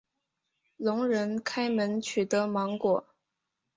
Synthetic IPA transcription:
lʊ˧˥ŋɻə˧˥nkʰa˥ɪmə˧˥nt͡ɕʰy˨˩t̪ɤ˧˥mɑ˧˥ŋkwɔ˨˩˦

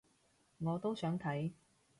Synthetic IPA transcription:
ŋɔː˨˧t̪o˥wsœː˨˥ŋt̪ʰɐ˨˥j

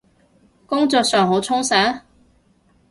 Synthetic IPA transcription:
kʊ˥ŋt͡sɔː˧k̚sœː˨ŋɦo˨˥t͡sʰʊ˥ŋsaː˨˥

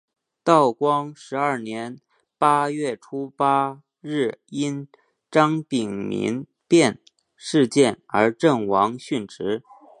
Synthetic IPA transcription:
t̪ɑ˥˩ʊkwɑ˥ŋʂɻ̩˧˥ɐ˞˥˩njɛ˧˥n | pa˥ɥɛ˥˩ʈ͡ʂʰu˥pa˥ | ɻɻ̩˥˩i˥n | ʈ͡ʂɑ˥ŋpi˨˩ŋmḭ˧˥n | pjɛ˥˧n | ʂɻ̩˥˧t͡ɕjɛ˥˩nə̰˞˧˥ʈ͡ʂə˥˩ŋwɑ˧˥ŋɕy˥˩nʈ͡ʂɻ̩˧˥

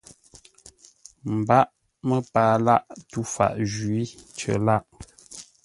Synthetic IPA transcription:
m̩˨ba˦ʔ | mə˦paː˨la˦ʔtu˦fa̰˨ʔʒɥi˦t͡ʃə̰˨la˦ʔ

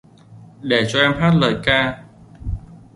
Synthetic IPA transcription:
ɗe˧˩t͡ɕɔ˧ʔɛ˧mɦaː˦˥t̚ləː˨˩jkaː˧

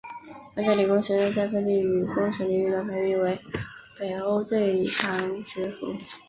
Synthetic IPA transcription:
a˥t͡ɕa˥˩ly˨˩kʊ˥ŋɕɛ˧˥ʂo˥˧t͡ɕa˥˧ɪkʰɤ˥t͡ɕi˥˩y˨˩kʊ˥ŋʂɛ˧˥li˧˥y˥˩ə˥˩pʰa˧˥ɪi˧˥˩we˧˥ɪpe˨˩ɪo˥ʊt͡swe˥˩ɪʈ͡ʂʰɑ˧˥ŋʈ͡ʂɻ̩˧˥fṵ˧˥˦

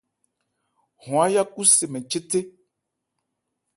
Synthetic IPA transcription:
hɔ̃˨a˦ja˦ku˦se˨mẽ˨t͡ʃe˦te˦

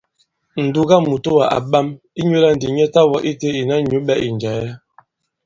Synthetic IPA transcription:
n̩˨du˦ɡa˦mu˨to˦wa˨ʔa̰˨ɓa˦m | i˦ɲwo˦la˦n̩˨di˨ɲ˦ɛ˦ta˦wɔ˦ʔi˦te˦i˨na˦ɲu˨˦bɛ˦ʔi˨n˨d͡ʒa˨ja˦

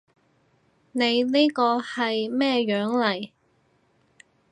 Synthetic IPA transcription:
ne˨˧jne˥kɔː˧hɐ˨jmɛː˥ɥœː˨˥ŋlɐ˨˩j

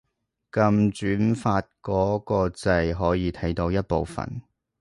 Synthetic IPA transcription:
kɐ˧mt͡ʃyː˨˥nfaː˧t̚kɔː˨˥kɔː˧t͡sɐ˧jɦɔː˨˥jiː˨˧t̪ʰɐ˨˥jt̪o˧wjɐ˥t̚po˨wfɐ̰˨n

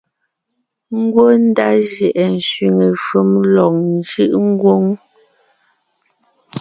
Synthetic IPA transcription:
ŋ̩˦ɡwo˦n̩˦da˦ʒɛ˨ʔɛ˨n̩˨sɥi˨ŋe˨ʃu˦mlɔ˨k̚n˦d͡ʒɯ˦ʔŋ̩˦ɡwo˦ŋ

